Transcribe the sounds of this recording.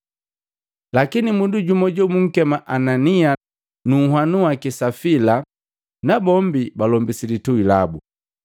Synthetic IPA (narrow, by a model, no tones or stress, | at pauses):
lakinimunduɟumɔɟɔmuŋ̩kɛmaʔanania | nuhwanuwakisafila | nabɔmbibalɔmbisilituila̰bu